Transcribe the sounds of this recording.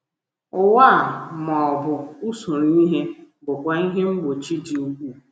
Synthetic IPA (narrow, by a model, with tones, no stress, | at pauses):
ʊ˨wa˦˨mɔ˨ɔ˨bʊ˨u˦su˨ɾu˨˦i˦ɦe˦ | bʊ˨kʷa˨i˦ɦe˦ŋ͡m̩˦ɡ͡bo˨t͡ʃi˦d͡ʒi˨u˦ɡʷu˦˨